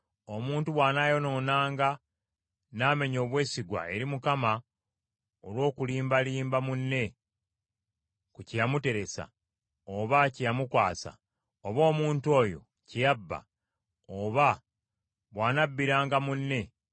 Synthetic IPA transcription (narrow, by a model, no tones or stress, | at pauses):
o̞muːntuβwaːnajo̞no̞ːnaːŋɡa | naːme̞ɲo̞ːβwe̞ːsiɡwa̰e̞ɾimukama | olwo̞ːkuliːmbaliːmbamunːe̞ | kucijamute̞ɾe̞sa̰ | oβacijamukwaːsa̰ | oβo̞ːmuːntuo̞jo̞̰ | cijabːa̰ | oβa | βwaːnabːiɾaːŋɡamunːe̞